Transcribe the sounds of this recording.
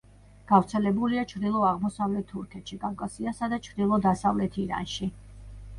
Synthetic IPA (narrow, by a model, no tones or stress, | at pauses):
ɡ̥avɾt̪sʰɛlɛbuliat͡ʃʰɾd̪ilˠɔaʁmɔsavlɛt̪ʰːuɾkʰɛt̪ʃikʼavkʼasiasad̪at͡ʃʰɾd̪ilˠɔd̪asavlɛt̪ʰiɾa̰nʃi